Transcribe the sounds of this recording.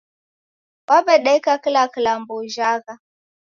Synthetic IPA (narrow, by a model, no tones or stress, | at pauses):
wabeɗajkaklaklamboʒaːka